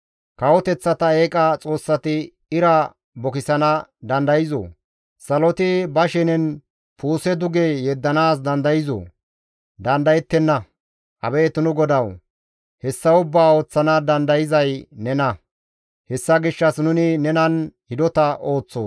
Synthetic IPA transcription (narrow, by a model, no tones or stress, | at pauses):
kɐwɔt̪ɛt͡sːɐt̪ɐeːkʼɐt͡sʼo̞ːsːɐt̪ɪ | ɪɾɐ | bɔkɪsɐnɐd̪ɐnd̪ɐjɪzo̰ | sɐlɔt̪ɪbɐʃɪnɛn | puːsɛd̪ʊɡejɛd̪ːɐnaːsd̪ɐnd̪ɐjɪzo̰ː | d̪ɐnd̪ɐjɛt̪ːɛnːɐ | ʔɐ̰beːt̪nʊɡɔd̪ɐw | hɛsːɐʊbːaːo̞ːt͡sːɐnɐd̪ɐnd̪ɐjɪzɐjnɛnɐ | hɛsːɐɡɪʃːɐsnʊnɪnɛnɐnhɪd̪ɔt̪ɐʔo̞ːt͡sːo̞̰ː